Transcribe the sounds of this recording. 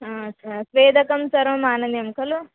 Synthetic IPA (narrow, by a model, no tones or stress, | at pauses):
ɦaɐt͡ɕʰasʋeːd̪ʱɐkɐmsɐɾʋɐmaːnənjɐmkʰɐlo